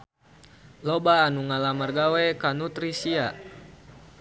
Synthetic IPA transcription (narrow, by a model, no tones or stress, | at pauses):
lobaːnuŋalamərɡawɛkanut̪ɾisia